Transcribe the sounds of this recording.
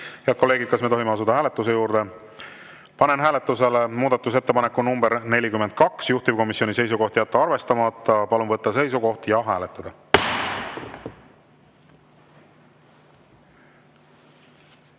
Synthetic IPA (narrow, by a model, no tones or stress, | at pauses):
heɑd̪ko̞lːe̞ːɡid̪̥̚kɑsme̞t̪o̞ɦimeɑs̬ud̪̥ɑhæːle̞t̪ːˑus̬e̞juːɾd̪̥e̞ | pɑne̞nɦæːle̞t̪ːˑuse̞lemuːd̪ɑt̪ːˑus̬e̞t̪ːe̞pɑnekːunumbeɾne̞lʲikymːe̞nd̪̥̚kɑksjuht̪ivko̞misːjo̞nʲise̞js̬uko̞ht̪jæt̪ːɑɑrve̞st̪ɑmɑt̪ˑːɑpɑlunvɤt̪ːɑse̞jsuko̞ht̪jɑɦæːlet̪ːˑɑd̪̥ɑ